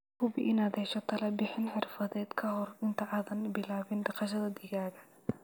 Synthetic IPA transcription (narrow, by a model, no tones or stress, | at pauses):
kʰʊbɪʔɪnaːd̪ɛjʃɔt̪ʰɐlɐbɪħɪnħɪrfɐðɛːd̪kʰɐɦɔrɪnt̪ʰɐʕɑðɐnbɪlaːβɪnɖɑqɑʃ̬ɐðɐd̪ɪɣaːɣɐ